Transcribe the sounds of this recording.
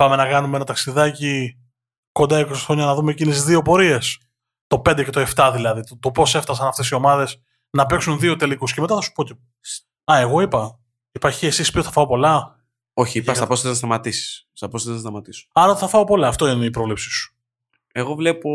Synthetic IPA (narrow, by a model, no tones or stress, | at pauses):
pɐme̞nɐkɐnumee̞nɐt̪ɐksiðɐci | ko̞nd̪ɐiko̞sixɾo̞ɲɐnɐðume̞ːcinizðio̞po̞ɾie̞s | t̪o̞pe̞nd̪ece̞t̪oe̞ft̪ɐðilɐðit̪ot̪o̞po̞seft̪ɐs̬ɐnɐft̪e̞sio̞mɐðe̞s | nɐpe̞ksunðio̞t̪e̞likuscemet̪ɐθɐsu̥po̞ce | ɐe̞ɣo̞ipɐ | ipɐçiesispioθɐfɐopo̞lɐ | o̞çiiɐst̪ɐpost̪eznɐst̪ɐmɐt̪isi̥sst̪ɐpost̪eznɐst̪ɐmɐt̪iso̥ɐɾɐot̪θɐfɐopo̞lɐːft̪o̞ineipɾo̞vlepsi̥su̥ | eɣo̞vlepo